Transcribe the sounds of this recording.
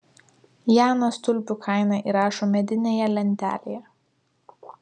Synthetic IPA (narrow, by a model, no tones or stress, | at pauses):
jæːnost̪ʊlʲpʲukʰɑˑɪnɑˑʔiːɾɑːʃoːmʲɛd̪ʲɪnʲeːjɛlʲɛnʲt̪ʲæ̰ːlʲejɛ